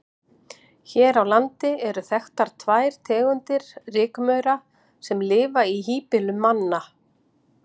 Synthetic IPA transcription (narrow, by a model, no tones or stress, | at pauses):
çɛːɾawlant̪ɪɛɾʏθɛxt̪aɾ̥t̪ʰvaːjɾ̥t̪ʰɛːɣʏnt̪ɪɾ̥rɪːkmœɥɾa | sɛmlɪːvaiɦiːpɪlʏmːanːa